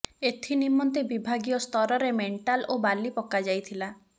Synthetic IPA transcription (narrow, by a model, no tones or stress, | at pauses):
et̪ʰinimɔnt̪ebibʱaɡijɔst̪ʰɔɾɔɾemeɳʈalobalipɔkad͡ʒajt̪ʰila